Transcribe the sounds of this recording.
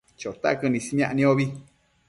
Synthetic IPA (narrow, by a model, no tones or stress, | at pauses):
t͡ʃot̪a̰kɨnĩsiɲãʔnĩoβi